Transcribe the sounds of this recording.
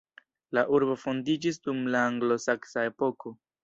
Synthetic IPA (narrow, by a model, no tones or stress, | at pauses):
laʔuɾbo̞fo̞ndid͡ʒis̬dumlaːŋɡlo̞saksae̞po̞ko̞